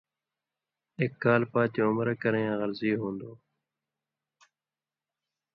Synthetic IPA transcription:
ek̚ɡaːlpaːt͡ʃ̪õːʊmɾekəɾeːãːɣəɾziːɦõːnd̪oː

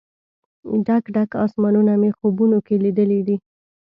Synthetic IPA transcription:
ɖakɖakɑ̰smɑnunamexobunokelid̪əled̪i

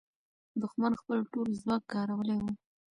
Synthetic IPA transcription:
d̪ʊxmanxpəlʈolzwɑkkɑɾawəlewu

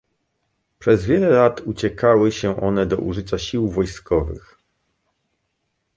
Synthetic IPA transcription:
pʂɛzvʲjɛlɛlat̪ut͡ɕɛkawɘɕɛʔɔnɛd̪ɔ̰ʔṵʐɘt͡ɕaɕiwvɔjskɔvɘ̰x

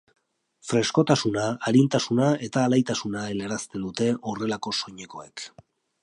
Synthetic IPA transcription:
fɾe̞sko̞t̪asunaːɾint̪asunae̞t̪aːlajt̪asunaene̞ɾast̪e̞d̪ut̪e̞ʔore̞lako̞so̞ɲe̞ko̞̰e̞̰k

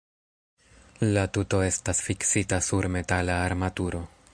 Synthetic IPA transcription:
latuto̞e̞stasfiksitasuɾme̞talaːɾmatuɾo̞

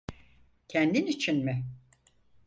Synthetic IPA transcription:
cʰɛnd̪init͡ʃʰinmɪ

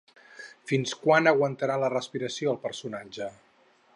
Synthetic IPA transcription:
finskwanəɣwənt̪əɾalərəspiɾəsioəlˠpəɾsunad͡ʒə

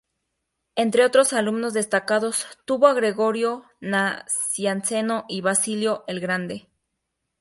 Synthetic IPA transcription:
ent̪ɾe̞o̞t̪ɾo̞salumno̞zðest̪akaðo̞st̪uβoaɣɾe̞ɣo̞ɾjo̞ | nasjanse̞no̞ʔiβasiljo̞ʔelɣɾand̪e̞

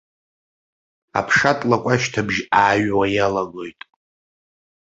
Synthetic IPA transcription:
a̰pʰʂatʼlakʷʼaʃtʰabʒaːɥwajalaɡojtʼ

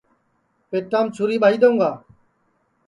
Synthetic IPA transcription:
peːʈːaːmt͡ʃʰʊɾiːɓaːiːd̪õːŋɡaː

